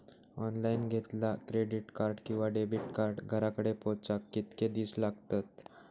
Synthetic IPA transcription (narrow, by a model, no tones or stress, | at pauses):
ɔnlainɡʱet̪lakɾeɽiʈkaɾɖkĩw̃ʋaɖebʱiʈkaɾɖɡʱəɾakəɽepɔt͡sakːit̪ked̪iːslaɡt̪at̪̚